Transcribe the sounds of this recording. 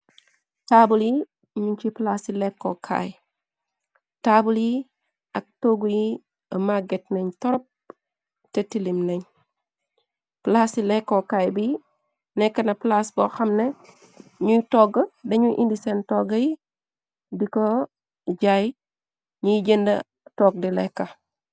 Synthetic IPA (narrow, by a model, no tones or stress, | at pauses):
tabuli | miɲt͡ʃiplasilɛkːokʰa̰j | tabuli | ɐk̚toɡuji | ɐmaɡetneɲtɔɾɔp̚ | tetilimneɲ | plasilɛkːokaːjbi | nɛkːɐnɐplasboxɐmne | ɲutɔːɡɐdɐɲuʔindisentɔɡɐji | diko | ɟaj | ɲujɟendɐ̰ | tɔɡ̚dilɛkːɐ